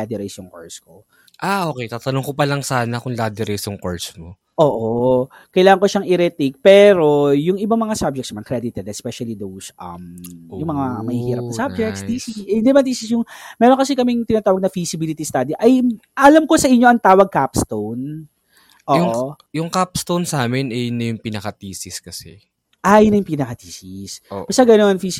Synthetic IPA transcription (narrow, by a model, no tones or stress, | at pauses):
ad̪ɛɾɛjsjʊŋko̰ɹsko | ʔaʔoːkɛjt̪aːt̪ɐnoŋkopɐlɐŋsaːnɐkʊŋlaːd̪ɪɾɛjsjʊŋko̰ɹsmo | ʔo̞ːʔo | kɐjlaːŋɐŋkoʃaŋʔɪɾɛt̪ik̚pɛːɾo̞jʊŋʔɪbamɐŋasab̚d͡ʒɛktsnɐmɐnkɾɛd̪ɪt̪ɛd̪ɛspɛʃɐlid̪owsʔɐ̰mjʊŋmɐŋamɐhiːhiːɾɐpnɐsab̚d͡ʒɛkt̪sd̪isiɪnd̪imɐnd̪isɪsjʊŋmɛːɾoŋkɐsɛkɐmɪŋt̪ɪnat̪aːwɐɡ̚nɐfisɪbiːlɪt̪ist̪ad̪iʔɐj | ʔɐlɐmko̞sɐʔɪɲːoʔɐŋt̪aːwɐɡ̚kapst̪own | ʔoːjʊŋʔo | jʊŋkapst̪ownsaːmɛnʔɛjnɐjʊŋpinɐkɐt̪iːsiskɐsɛ | ʔɐjnɐjʊŋpinɐkɐt̪iːsisobɐsaɡɐnonfis